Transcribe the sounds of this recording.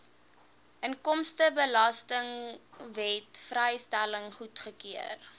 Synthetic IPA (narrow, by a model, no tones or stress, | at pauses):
ʔənkɔmstəbəlɐstəŋvɛtfrəjstæləŋχutχəkiər